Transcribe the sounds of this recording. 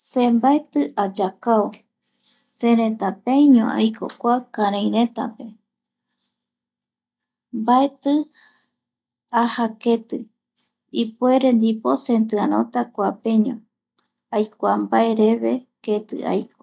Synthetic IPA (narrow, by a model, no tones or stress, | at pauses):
sembaet̪ɨad͡ʒakao | seɾẽt̪apẽɲõ̰ʔa̰jkʰo̰kʷakãɾ̃ãj̃ɾẽ̞t̪a̰pe̞ | mbaet̪ɨ | ahake̞t̪ɨ | ipueɾe̞nd̪ipo̞se̞nt̪ɨaɾ̃õ̰t̪akʷape̞ɲõ | ajkʷambae̞ɾe̞βe̞ket̪ɨ̰a̰jko